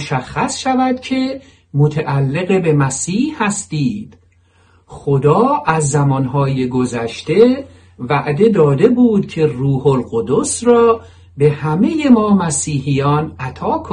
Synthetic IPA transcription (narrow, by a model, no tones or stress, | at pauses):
ʃæxːæsʃævæd̪̥̚cʰe̞ | mot̪ʰæʔælːe̞ɣe̞be̞mæsiːhhæst̪iːd̪̥ | χod̪ɒːæzːæmɒːnɦɒːjeɡo̞zæʃt̪e̞ | væʔd̪e̞d̪ɒːd̪e̞buːd̪̚cʰe̞ruːholɢod̪osrɒː | be̞hæme̞je̞mɒːmæsiːhijɒːnæt̪ʰɒːkʰo